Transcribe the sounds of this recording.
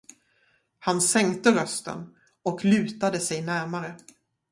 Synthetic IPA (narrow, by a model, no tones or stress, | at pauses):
hansɛŋkt̪əɾœst̪ə̰n | ɔklʉ̟ːt̪ad̪əsɛjnæɾmaɾə